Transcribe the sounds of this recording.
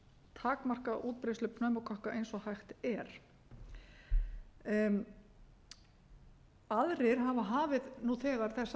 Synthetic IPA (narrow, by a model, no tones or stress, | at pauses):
t̪ʰaːkmar̥kaʔuːt̪̚pɾɪslʏpnœɥmakʰɔhkaejnsɔhajxt̪ɛɾ̥ | aðɾɪɾ̥ɦavaɦaːvɪðnuθɛːɣaɾ̥θɛsː